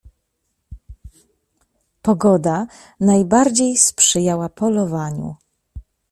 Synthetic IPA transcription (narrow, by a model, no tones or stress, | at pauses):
pɔɡɔd̪a | najbaɾd͡ʑejspʂɘjawapʰɔlɔvaɲṵ